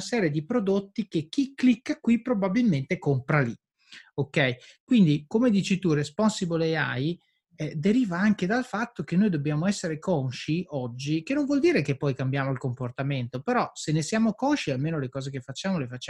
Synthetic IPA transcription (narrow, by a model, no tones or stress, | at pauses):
sɛːɾjed̪ipɾod̪ot̪ːikek̟ːikːlikːakwipɾobabilment̪ekompɾali | okːɛjkwind̪ikomed̪iːt͡ʃit̪urespɔnsibolea̰j | ɛd̪eɾiːvaaŋk̟ed̪alfat̪ːok̟enːoːjd̪obːjaːmoɛsːeɾekɔnʃiɔd͡ʒːikenːoɱvwɔld̪iːɾekepːɔjkambjaːmoilkomport̪ament̪opeɾɔsenːesjaːmokɔnʃialmeːnolekɔːzekefːat͡ʃːaːmolefat͡ʃːa